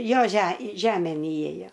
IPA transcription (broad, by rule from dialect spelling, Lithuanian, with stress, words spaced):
ˈjoː ʒʲɛ ˈʒʲæːmʲeːn ɪˈeːjoː